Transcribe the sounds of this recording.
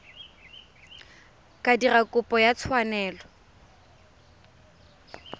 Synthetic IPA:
kʼadirakʼʊpʼɔjat͡sʰwanɛːlɔ

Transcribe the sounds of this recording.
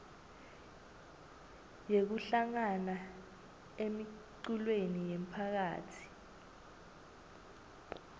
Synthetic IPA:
jek̬uɬaŋana | emiǃulwenijem̩pʰak̬aːtʰi̥

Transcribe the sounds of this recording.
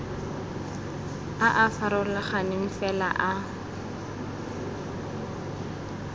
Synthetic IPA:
aʔafaɾɔlaχanɪɱ̩fɛla̰ʔa

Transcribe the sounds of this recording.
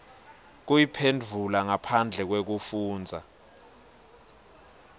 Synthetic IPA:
k̬ujipʰend͡vʱulaŋapʰand͡ɮʱɛk̬wek̬ufuːnd͡zʱa

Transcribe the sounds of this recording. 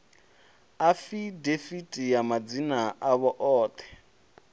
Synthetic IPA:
afidefitʼijamad͡zinaʔaβɔʔɔːt̪ʰɛ̥

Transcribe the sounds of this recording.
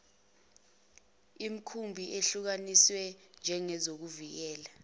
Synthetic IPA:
im̩kʰumbʱiʔeɬuk̬aniswɛnd͡ʒʱɛŋɛzok̬uvik̬ɛːla

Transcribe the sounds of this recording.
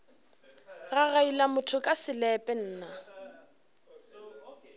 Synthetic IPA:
ɣaɣailamʊtʰʊkʼasɪlɛpʼɛn̩ːna

